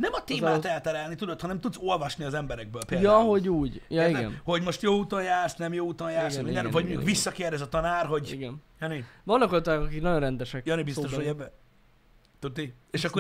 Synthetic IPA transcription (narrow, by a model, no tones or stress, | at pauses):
nɛmɒt̪eːmaːt̪ɛlt̪ɛɾɛlnit̪ud̪ot̪hɒnɛmt̪ud̪zo̞lvɒʃniɒzɛmbɛɾɛɡ̚bøːlpeːljɒɦoɟuːɟjɒiɡɛ̰nho̞ɟmo̞ʃt̪joːut̪onjaːrsnɛmjoːuːt̪onjaːrssmnvɒɟmoukvisːɒkeːrd̪ɛzɒt̪ɒnaːrɦo̞ɟiɡɛnjɒnivɒnːɒkot̪akɒkiknɒjonrɛnd̪ɛʃɛkjɒnibist̪oʃojɛbːɛ | t̪ud̪i | eːʃɒkkːo